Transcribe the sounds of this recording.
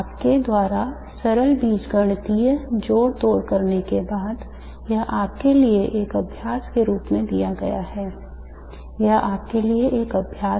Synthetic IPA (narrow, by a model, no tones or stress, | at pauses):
pked̪waːɾa | sɐɾəlbiːsɡəɽ̃t̪id͡ʒoːɾt̪oːɾkəɾnekebaːd̪ | jəɦʔaːp̚kelieʔeːkɐbʱjaːskeɾuːpmẽd̪ijaɡɐ̰ja̰ɦɛː | jəɦaːp̚kelieʔeːkɐbʱjaː